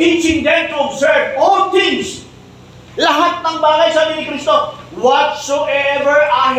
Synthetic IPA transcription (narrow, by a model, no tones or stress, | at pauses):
it͡ʃɪ̃ŋd̪ɛ̃ntuɔbzɜɹvɔlt̪ĩŋs | laɦat̪̚maŋbalajsabiɾikɾist̪ɔfwɔtsoʔɛvəɹa